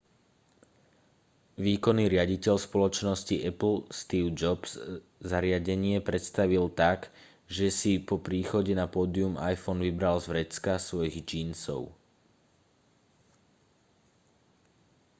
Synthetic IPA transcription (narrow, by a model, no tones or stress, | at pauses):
ʋiːkɔnːiːɾɪaɟicɛʎspɔlɔt͡ʃnɔsciʔɛpl̩st̪iːʊd͡ʒɔbs | zaɾɪaɟɛɲɪɛpɾɛt̪st̪aʋilt̪aɡ | ʒɛsipɔpɾiːxɔɟɛnapɔːd̪iumajfɔnʋibɾalzvɾɛt͡skasʋɔjiɣd͡ʒiːnsɔ̰ʊ